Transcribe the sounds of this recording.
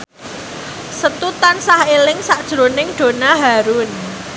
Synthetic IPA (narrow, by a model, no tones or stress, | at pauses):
sət̪ut̪ansahelɪŋsaʔd̥ʒ̥ɾonɪŋɖ̥o̤naɦaɾʊn